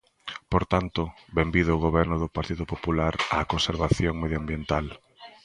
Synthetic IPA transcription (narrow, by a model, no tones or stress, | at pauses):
poɾt̪ant̪ʊ | βembiðʊːɣoβɛɾnʊðʊpaɾt̪iðʊpopulaɾaːkonseɾβaθjoŋmeðjambjent̪al